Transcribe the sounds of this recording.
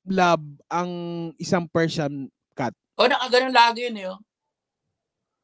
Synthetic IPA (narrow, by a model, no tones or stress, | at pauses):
lab̚ɐŋɪsaŋpɛɹsɐn | kat̪̚ʔonɐkaɡɐnonlaːɡɪjʊnɐjo